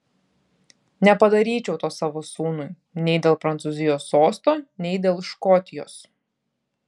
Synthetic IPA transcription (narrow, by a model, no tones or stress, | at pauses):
nʲɛpɐd̪ɐɾʲiːt͡ʃʲɛʊt̪oːsɑːʋoːsuːnʊj | nʲɛɪd̪ʲeːlˠpɾɐnt̪sʊːzʲɪjoːsːoːst̪oːnʲɛɪd̪ʲeːlˠʃkɔt̪ʲɪjo̰ːs